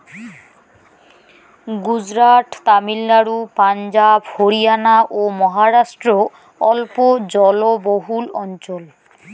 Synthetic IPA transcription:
ɡud͡ʑɹaʈt̪amilnaɹupand͡ʑabhoɹijanaʔomɔɦaɹasʈɹɔ | ɔlpod͡ʑɔloboɦulɔnt͡ʃɔl

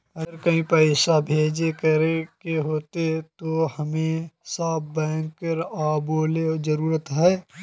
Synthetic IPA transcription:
ɐɾkɐɦĩpɐʃabʱeːd͡ʒekɐɾekeɦoːt̪et̪ohɐmẽsaːb̚bɛːŋkəɾaːboːleɔd͡ʒɐɾuːɾət̪ɦɛː

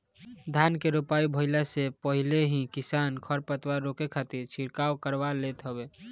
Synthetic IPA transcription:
d̪ʱaːnkeɾopaːibʱəɪlasepəɦileɦĩkɪsaːnkʰəɾpət̪waɾokekʰat̪iɾt͡ʃʰiɾkaːwkəɾʋalet̪ɦəbeː

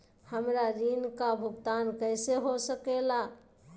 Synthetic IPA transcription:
həmɾaɾinkabʱuɡt̪ankəɪseɦosəkela

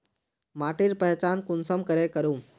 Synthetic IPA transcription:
maːʈiɾpəɦɛt͡ʃaːnkʊnsəmkəɾekəɾũː

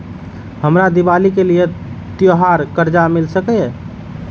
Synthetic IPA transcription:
həmɾad̪ibalikelijet̪joɦaɾkəɾd͡ʒamilsəkɛ

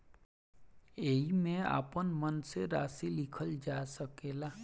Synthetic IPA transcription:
eːɦimẽa̰ːpənmənseɾa̰ːsilɪkʰəld͡ʒaːsəkeːlaː

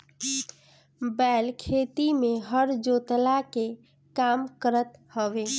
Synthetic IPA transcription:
bɛlkʰet̪imeɦəɾd͡ʒot̪lake | kamkəɾət̪həʋe

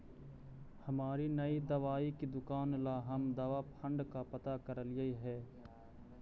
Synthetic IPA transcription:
hɐmaːɾinɐid̪ɐʋaːikid̪ʊkaːnlaɦɐmd̪ɐʋapʰə̃ɳɖkapɐt̪akɐɾəljəiɦɛː

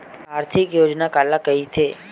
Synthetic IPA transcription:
aɾt̪ʰikjod͡ʒnakalakəit̪ʰe

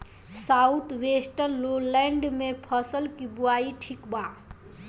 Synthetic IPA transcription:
saut̪ʰwesʈəɾloleɳɖmepʰəsəlkibuaiʈʰikbã

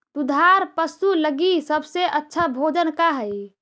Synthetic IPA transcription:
t̪ud̪ʱaɾpəsuləɡisəbseʔətːʃʰabʱod͡ʒənkaɦəj

